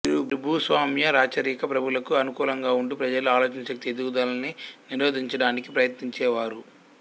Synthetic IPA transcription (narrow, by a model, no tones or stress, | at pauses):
iɾubɾibʱusʋaːmjɐɾaːt͡ʃɐɾiːkɐpɾɐbʱulɐkuɐnukuːlɐŋɡaːuɳʈupɾɐd͡ʒɐluaːloːt͡ʃɐnɐʃɐk̚t̪ied̪uud̪ɐlɐniniɾoːd̪ʱiɲt͡ʃɐɽaːnikipɾɐjɐt̪niɲt͡ʃɛːʋaːɾu